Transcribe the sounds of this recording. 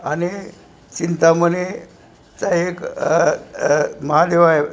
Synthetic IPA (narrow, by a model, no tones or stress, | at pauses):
ani | t͡ɕint̪aməne | t͡saek | məɦad̪eʋae